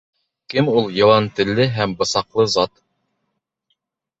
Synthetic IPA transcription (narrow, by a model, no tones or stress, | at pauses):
kɘmulˠjɑ̆wɑnt̪ɘ̆lːɘɦæmbɤ̆sɑqlˠɤzɑt̪